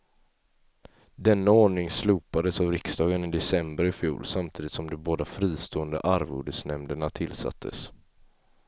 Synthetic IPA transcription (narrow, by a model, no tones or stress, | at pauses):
d̪ɛnːaoːɳɪŋslʉːpad̪əsavɾɪksd̪ɑːɡənɪd̪ɛsɛmbəɾɪfjṵːlsamt̪ʰiːd̪ɪt̪sɔmd̪ɔmboːd̪afɾiːst̪oːənd̪ə̰ʔaɾvṵːɖəsnɛmd̪əɳat̪ʰɪlsa̰t̪ʰːə̰s